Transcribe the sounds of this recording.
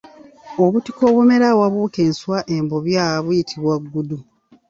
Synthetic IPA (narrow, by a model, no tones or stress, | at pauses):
o̞βuti̥ko̞ːβume̞ɾawaβuːke̞ːnswaʔembo̞βjaβujitʰiβwaɡːudu